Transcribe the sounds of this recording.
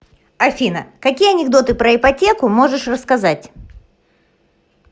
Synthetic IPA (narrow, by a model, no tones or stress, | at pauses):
ɐfʲinə̰kɐkʲijəɐnʲɪɡd̪o̞t̪ɨpɾəɪpɐtʲe̞kʊmo̞ʐɨʂrəskɐzatʲ